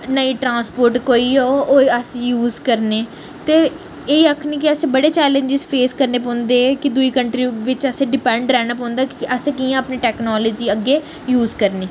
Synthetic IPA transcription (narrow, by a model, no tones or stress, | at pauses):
nəiːʈɾãːspoːɾʈkoːiːoːoːəsjuːzkəɾneː | t̪eː | eːiəkʰniːk̬ɪəsẽːbəɽeːt͡ʃɛːlə̃ɲd͡ʒɪzpʰeːskəɾneːp̬ɔ̃ːnd̪eːkɪd̪uiːkəɳʈɾiːʋɪt͡ʃəsẽːɖɪpɛ̃ːɳɖɾɛːñaːp̬ɔ̃ːʊ̃nd̪aːkɪʔəsẽːkiːãəpneːʈɛːknɔːlɔːd͡ʒiːəɡːeː | juːzkəɾneː